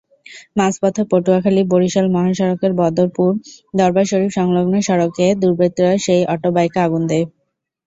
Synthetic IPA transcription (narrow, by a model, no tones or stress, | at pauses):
maspɔt̪ʰːoɾpoʈuakʰaliboɾiʃɔlmɔɦaʃɔɾokeɾbɔd̪oɾpuɾd̪ɔɾbaʃoɾipʃɔŋloɡneʃɔɾoked̪uɾbɾet̪ːɾɔeʃejʔɔʈobajkaaɡund̪e